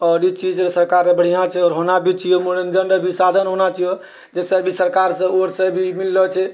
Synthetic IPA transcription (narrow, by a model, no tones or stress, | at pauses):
ɔːɾit͡ʃid͡ʒɾesəɾkaɾnebəɽ̤ijãt͡ʃʰɛɔːɾɦonabʱit͡ʃijomoɽend͡ʒənɖəbʱisad̪ʱənɦonat͡ʃijo | d͡ʒesəbʱisəɾkaɾsə̃oɾsəbʱimilːɔt͡ʃʰɛ